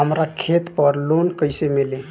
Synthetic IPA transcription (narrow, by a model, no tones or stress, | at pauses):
ɦəmɾakʰet̪pəɾlonkəɪsemele